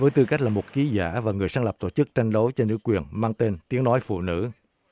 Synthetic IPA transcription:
vəː˨˦jt̪ɨ˧ka˦˥k̚laː˨˩mo˨˩t̚ki˨˦za̰ː˧˩vaː˨˩ŋɨ˨˩əjsaː˧ŋlə˨˩p̚t̪o̰˧˩t͡ɕɨ˦˥k̚t͡ɕa˧jŋ̟ɗo˨˦jt͡ɕɔ˧nɨ̰˧˥kwi˨˩ənmaː˧ŋt̪e˧nt̪i˨˦əŋnɔ˨˦jfṵ˧˨nɨ̰˧˥

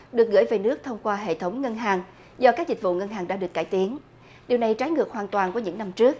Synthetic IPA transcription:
ɗɨ˨˩ək̚ɣɨ̰˧˥jve˨˩nɨ˦˥ək̚t̪ʰə˧wŋ͡mkwaː˧ɦḛ˧˨t̪ʰə˨˦wŋ͡mŋə˧nɦaː˨˩ŋ | zɔ˧kaː˦˥k̚zï˨˩k̟̚vṵ˧˨ŋə˧nɦaː˨˩ŋɗa̰ː˧˥ɗɨ˨˩əkːaː˧˩jt̪i˨˦ən | ɗi˨˩wna˨˩jt͡ɕaː˨˦jŋɨ˨˩ək̚hwaː˨˩nt̪waː˨˩nku˧˨˦ɲɨ̰˧˥ŋna˧mt͡ɕɨ˦˥ək̚

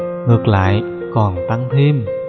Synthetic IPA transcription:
ŋɨ˨˩ək̚la̰ː˧˨j | kɔ˨˩nt̪a˧ŋt̪ʰe˧m

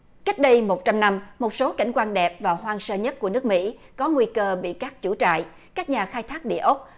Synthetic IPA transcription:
ka˦˥jk̟̚ɗə˧jmo˨˩t̚t͡ɕa˧mna˧mmo˨˩t̚so˨˦ka˧˩jŋ̟kwaː˧nɗɛ˨˩p̚vaː˨˩wɦwaː˧ŋsəː˧ɲə˦˥t̚ku˧˩ənɨ˦˥k̚mḭ˧˥ | kɔ˨˦ŋwi˧kəː˧ɓḭ˧˨kaː˦˥k̚t͡ɕu˧˩t͡ɕa̰ː˧˨j | kaː˦˥k̚ɲaː˨˩xaː˧jt̪ʰaː˦˥k̚ɗḭ˧˨əʔə˦˥k͡p̚

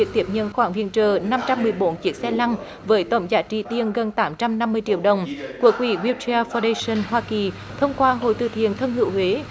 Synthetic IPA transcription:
i˨ək̚t̪i˨˩əp̚ɲə̰˧˨nxwaː˧˩ŋvḭ˧˨ənt͡ɕəː˨˩na˧mt͡ɕa˧mːɨ˨˩əjɓo˨˦nt͡ɕi˨˦˥ək̚sɛ˧la˧ŋ | vəː˨˦jt̪ə̰˧˨˩wŋ͡mzaː˨˦t͡ɕi˧˩t̪i˧ənɣə˨˩nt̪aː˨˦mt͡ɕa˧mna˧mːɨ˧əjt͡ɕḭ˧˨əwɗə˨˩wŋ͡mku˧˩ək̚wi˧˩ɣwi˧wtʰi˧a˧faː˧ɗə˧jsə˧˩nɦwaː˧ki˨˩ | t̪ʰə˧wŋ͡mkwaː˧ɦo̰˧˨jt̪ɨ̰˨˩t̪ʰḭ˧˨ənt̪ʰə˧nhɨ̰˧əwhwe˨˦

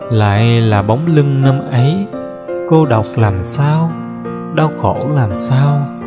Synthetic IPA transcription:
la̰ː˧˨jlaː˨˩ɓa˨˦wŋ͡mlɨ˧ŋnə˧mʔə˨˦j | ko˧ɗa˨˩wk͡p̚laː˨˩msaː˧w | ɗa˧wxɔ˧˩laː˨˩msaː˧w

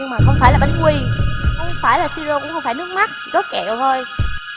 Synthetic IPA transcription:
maː˨˩xə˧wŋ͡mfaː˧˩jlaː˨˩ɓa̰˧˨ŋ̟kwi˧˨˦ | faː˧˩jlaː˨˩si˧zo˧kʊ̰˧˥ŋ͡mxə˧wŋ͡mfaː˧˩nɨ˦˥k̚ma˦˥t̚t̪ʰi˨˩zɔ˨˦kɛ˧˩˨ə˨˩t̪ʰo˧j

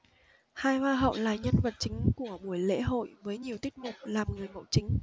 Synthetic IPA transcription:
haː˧jvaː˧ɦə̰˧˨wlaː˨˩ɲə˧nvə˨˩t̚t͡ɕï˨˦ŋ̟ku˧˩əɓu˧˩əjlḛ˧˥ɦo̰˧˨jvəː˨˦jɲi˨˩əwt̪i˦˥k̚mu˨˩p̚laː˨˩mŋɨ˨˩əjɓə̰˧˨wt͡ɕï˨˦ŋ̟

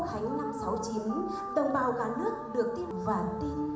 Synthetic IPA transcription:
haː˨˦jna˧msa˨˦wt͡ɕi˨˦əm | t̪ə˨˧˩nɓaː˨˩wkaː˨˦nɨ˦˥ək̚ɗɨ˨˩ək̚t̪i˧˥pvaː˨˩t̪i˧n

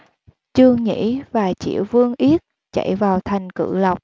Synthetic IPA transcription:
t͡ɕɨ˧əŋɲḭ˧˥vaː˨˩t͡ɕḭ˧˩əwvɨ˧əŋʔi˦˥ət̚ | t͡ɕə̰˧˩jvaː˨˩wt̪ʰa˨˩jŋ̟kɨ̰˧˨lə˨˩wk͡p̚

